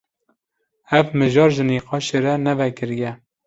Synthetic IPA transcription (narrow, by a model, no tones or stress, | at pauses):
ɛvmɨʒɑːɾʒɨniːqɑːʃeɾɛnɛvɛkɨɾjɛ